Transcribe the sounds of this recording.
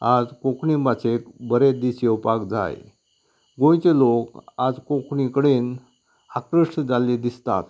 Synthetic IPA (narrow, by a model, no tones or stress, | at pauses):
ad͡zkõkɳimat͡ɕekbəɾed̪iɕewpakd͡za̰j | ɡõjt͡selokad͡zkõkʰɳikəɽeːn | hakɾəʂʈd͡zaled̪ist̪a̰t̪